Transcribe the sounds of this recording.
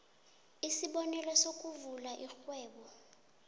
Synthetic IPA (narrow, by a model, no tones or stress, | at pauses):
isiɓɔnɛlɔsok̬ʼuvulaʔixwɛːɓɔ